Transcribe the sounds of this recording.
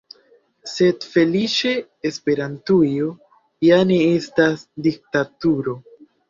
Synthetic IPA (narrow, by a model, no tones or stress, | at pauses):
se̞dfe̞lit͡ʃe̞ː | spe̞ɾantujo | jane̞estasdik̚tatuɾo̞